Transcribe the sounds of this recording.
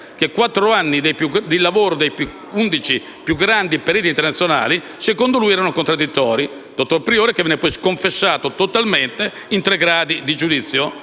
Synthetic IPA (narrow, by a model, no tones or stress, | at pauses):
kekwat̪ːɾoanːid̪ejpjud̪ilːavoːɾod̪ejpu | und̪it͡ʃi | pjuɡɾand̪ipeɾiːt̪int̪eɾnat̪ːjona̰ːli | sekond̪olujɛːɾanokont̪ɾad̪ːit̪ːɔːɾi | d̪̥ot̪ːoɾpɾioːɾekevɛːnːepɔjskoɱfesːaːt̪ot̪ot̪alment̪e | int̪ɾeɡɾaːd̪id̪id͡ʒud̪it̪sːjo